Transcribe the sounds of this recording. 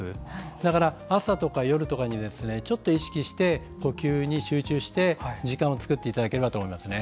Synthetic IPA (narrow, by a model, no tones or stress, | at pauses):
ɨd̪akaɾaasat̪o̞kajo̞ɾɯ̟t̪o̞kaɲ̟id̪e̞sɨne̞t͡ɕo̞t̪ːo̞iɕi̥kʲiɕi̥t̪e̞ | ko̞kʲɨːɲ̟iɕɨːt͡ɕɨːɕi̥t̪e̞d͡ʑikãɰ̃ot͡sɨ̥kɯ̟t̪ːe̞it̪ad̪ake̞ɾe̞bat̪oːmo̞imasɨne